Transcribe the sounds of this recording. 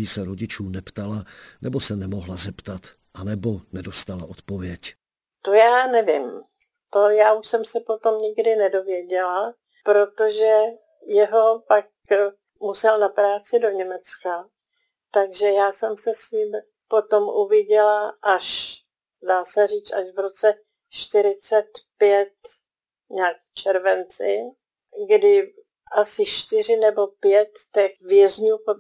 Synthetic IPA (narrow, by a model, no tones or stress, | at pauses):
isɛɾoɟɪt͡ʃuːnɛpt̪alanɛbo̞sɛnɛmo̞ɦlazɛpt̪at̪ | ʔanɛbonɛdost̪alaʔot̪povjɛc | t̪ojaːnɛvɪm | t̪ojaːʔuʃsɛmsɛpo̞t̪o̞mɲɪɡdɪnɛdo̞vjɛɟɛla | pɾo̞t̪o̞ʒɛ | jɛɦo̞pak̚ | musɛlnapɾaːt͡sɪdo̞ɲɛmɛt͡ska | t̪aɡʒɛjaːsɛmsɛsɲim | po̞t̪o̞mʔuvɪɟɛlaʔaʃ | daːsɛriːt͡saʃvɾo̞t͡sɛ | ʃt̪ɪɾɪt͡sɛt̪pjɛt̪ | ɲaːk | t͡ʃɛɾvɛnt͡sɪ | ɡdɪ | ʔasɪʃt̪ɪr̝ɪnɛbo̞pjɛt̪ːɛxvjɛzɲuːpo